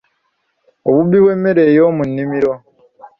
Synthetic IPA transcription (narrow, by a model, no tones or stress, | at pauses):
oβubiβwe̞ːmːeɾejomunːimiɾo